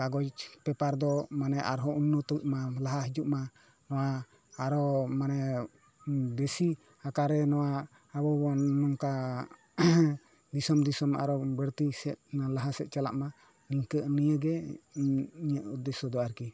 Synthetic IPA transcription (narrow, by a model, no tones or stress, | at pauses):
kaɡɔd͡ʒpɛpaɾd̪ɔmanɛʔaɾɦɔunːɔt̪ɔʔmalaɦaɦid͡ʒuʔma | nɔwaː | ɾɔmanɛ | besi | hakaɾɛnɔwa | abɔbɔnɔŋka | d̪isɔmd̪isɔma̰ɾɔbəɾt̪isɛt̪̚laɦasɛt̪̚t͡ʃala̰ʔma | niŋkəʔnijəɡɛ | iɲəʔud̪ɛsɔd̪ɔaɾki